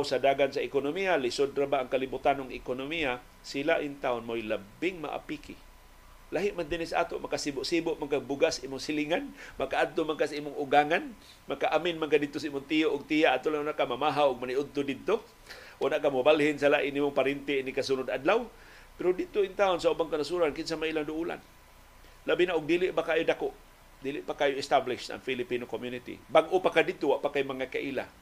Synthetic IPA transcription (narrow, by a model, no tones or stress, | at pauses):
wsadaːɡansaɪkʊnʊmialɪsʊd̪ɾabaʔaŋkalibʊt̪anʊŋɪkonʊmia | silaʔɪnt̪aʔʊnmojlabɪŋma̰ʔa̰pikɪ̰ | laɦɪʔmand̪ɪnɪsaʔa̰ːt̪ʊʔmakasibʊʔsibʊʔmaŋkabʊɡaʔsaʔiːmʊŋsɪliŋanmakaʔad̪̚t̪ʊmaŋkasaiːmʊŋʊɡaŋan | makaʔamɪnmankadɪd̪t̪ʊsaimʊŋt̪ijoʔʊɡ̚t̪ijaʔat̪ʊlaŋʊnaʔkamamaɦawʊɡ̚maniʔʊd̪̚t̪ʊdɪd̪̚t̪o | ʔʊnaʔkamʊbalhɪnsalaʔɪnːimʊŋpaɾɪnt̪einikasunʊd̪ʔadlaw | pɪɾʊdɪd̪̚t̪ʊɪŋt̪aʊnsaʔubaŋkanasuɾankɪnsamailaŋdʊʔula̰n | labinaʔʊɡ̚diːlɪʔbakaːjʊdakʊʔ | dilɪʔpakaːjʊɪst̪ablɪʃa̰ŋfilɪpinokomjunɪt̪ḭbaɡʔʊpakadɪd̪̚t̪ʊwaʔpakajmaŋaka̰ʔila̰